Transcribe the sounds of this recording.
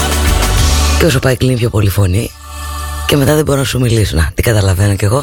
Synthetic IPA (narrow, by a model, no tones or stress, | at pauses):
ceo̞sopɐiklinipço̞po̞lifo̞ni | ce̞me̞t̪ɐðe̞bo̞ɾonɐsumilisonɐt̪iɡɐt̪ɐlɐve̞no̞ce̞ɣo̞